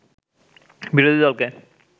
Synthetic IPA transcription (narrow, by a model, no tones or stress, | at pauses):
biɾod̪ʱid̪ɔlke